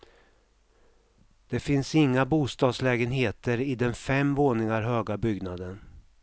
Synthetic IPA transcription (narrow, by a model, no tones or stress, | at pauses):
d̪̥ɛfɪnsɪŋːabuːst̪ɑːd̪slɛːɡənɦeːt̪əɾɪd̪ɛnfɛmvoːnɪŋaɾɦøːɡabʏɡnad̪ən